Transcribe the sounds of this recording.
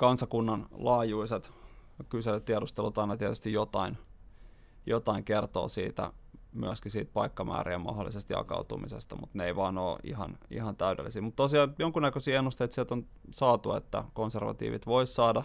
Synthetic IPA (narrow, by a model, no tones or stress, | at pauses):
kɑnsɑkunːɑnlɑːjuiset̪ | kyselːøt̪t̪iɛɾust̪elut̪ɑinɑt̪iɛt̪yst̪ijot̪ɑin | jot̪ɑiŋkert̪o̰ːsiːt̪æ̰my̰æskisiːt̪̚pɑikːɑmʔæ̰ːriːmɑ̰holːˑḭsest̪jɑ̰kɑ̰ut̪umḭsḛst̪ɑmut̪neeiʋɑːno̰ːʔḭhɑ̰nḭhɑnt̪æydḛlːisiːmut̪t̪osiɑːnjoŋkunækøsiːenːust̪eit̪siælt̪on | sɑːt̪uḛt̪ːæ̰konserʋɑ̰t̪ḭːʋḭt̪ʋoissɑːdɑ